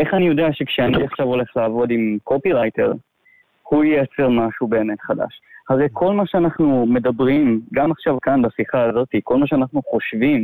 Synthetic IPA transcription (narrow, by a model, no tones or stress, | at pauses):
e̞χanijo̞deaʃekʃeaniaχʃavo̞le̞χlaːvo̞dimkʰo̞piʁajte̞ʁ | hujiat͡se̞ʁmaʃube̞ːme̞tχada̰ʃhaʁe̞jkʰo̞lmaʃeanaχnume̞dabʁimɡamaχʃavkanbasiχaːzotiko̞lmaʃ̬eanaχnuχo̞ʃvim